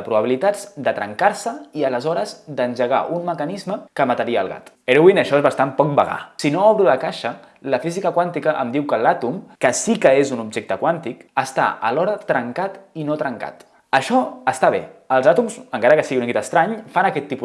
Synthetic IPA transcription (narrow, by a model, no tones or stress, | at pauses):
əpɾuβəβilit̪azd̪ət̪ɾə̰ŋkaɾsəiələzɔɾəzd̪ənʒəɣ̞a̰ʔunməkənizməkəmət̪əɾiə̰ːlˠɣa̰t̪ | eɾuwinəʃɔezβast̪ampɔk̚bəɣa̰sinoɔβɾuləkaʃə | ləfizikəkwant̪ikəʔə̰md̪iwkəlat̪umkəsikəezunubʒek̚t̪əkwant̪ikəst̪a̰ʔə̰lɔɾət̪ɾəŋkat̪inot̪ɾəŋka̰t̪ | əʃɔəst̪aβḛəlˠzat̪umzəŋkaɾəkəsiɣiunkɛt̪əst̪ɾaɲfanəkɛt̪ːipu